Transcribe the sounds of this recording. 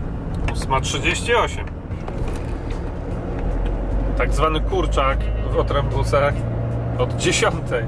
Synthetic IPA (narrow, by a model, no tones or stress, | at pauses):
usmatʂɘd͡ʑeɕt͡ɕiɔɕɛm | t̪aɡzvanɘkuɾt͡ʂakvɔt̪ɾɛmbut̪sɛ | ɔd̪d͡ʑeɕɔnt̪ʰɛj